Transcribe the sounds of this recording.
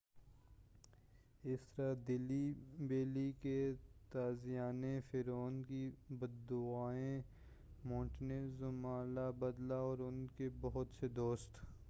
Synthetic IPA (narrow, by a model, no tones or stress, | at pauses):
ɪst̪əɾad̪ɪlibeːliket̪aːzɪjaːnefɪɾoːnkibɐd̪ʊaːẽ | mõːʈnezʊmaːlabɐd̪laɔːɾʊnkebɐɦʊt̪sed̪oːst̪